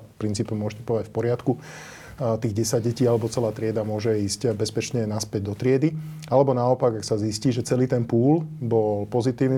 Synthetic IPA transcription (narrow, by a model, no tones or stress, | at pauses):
fpɾint͡siːpɛmʊɔʒɛcɛpɔʋacfpɔɾɪat̪ku | t̪iːɣɟɛsaɟɟɛciːalɛbɔt͡sɛlaːt̪ɾɪɛd̪amʊɔʒɛiːscbɛspɛt͡ʃɲɛnaspɛɟd̪ɔt̪ɾɪɛd̪ialɛbɔnaɔpaɡaksazisciːʒɛt͡sɛliːt̪ɛnpuːlbɔlpɔzit̪iːʋni